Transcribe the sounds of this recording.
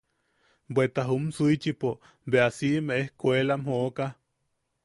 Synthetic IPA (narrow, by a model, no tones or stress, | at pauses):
bwet̪aɦumsuit͡ʃipo | beasiʔmeʔehkʷelamhoʔka